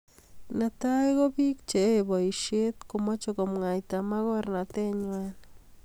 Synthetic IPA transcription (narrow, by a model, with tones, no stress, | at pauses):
nata˦iɣo˦bi˦k̚t͡ʃe˨ebo˨iʃe˦t̪komo˦t͡ʃoko˨mŋa˨jtama˦ɣɔ˦rnate˦ɲwa˦n